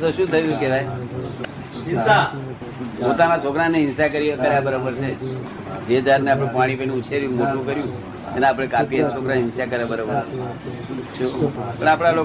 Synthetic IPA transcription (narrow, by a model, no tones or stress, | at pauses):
t̪oʃũt̪ʰəjũkeʋaj | ɪnsa | pot̪anat͡ʃʰokɾaneɪnsakəɾikəɾjabəɾabəɾt͡ʃʰe | d͡ʒed͡ʒaɾneap̬ɽ̃ẽpaɽ̃ipənũːt͡ʃʰeɾjumoʈũkəɾjũ | eneap̬ɽ̃ekapiet͡ʃʰokɾaɪnsakəɾjabəɾabəɾt͡ʃʰe | ʃʰupəɳapɽ̃alo